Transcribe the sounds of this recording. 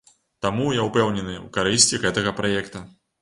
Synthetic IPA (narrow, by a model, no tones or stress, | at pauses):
t̪amujawpɛwnʲɛnɨṵkaɾɨsʲt͡sʲiɣɛt̪ɐɣɐpɾajɛkt̪ɐ